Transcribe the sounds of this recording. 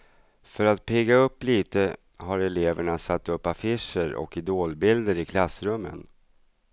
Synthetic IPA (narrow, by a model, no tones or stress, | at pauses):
fœɾat̪̚pʰeːɡaɵpːliːt̪ə | haɾɛleːvəɳasat̪ːɵpːafɪʂəɾɔ̰kɪd̪oːlbɪld̪əɾɪkʰlasːɾɵmːə̰n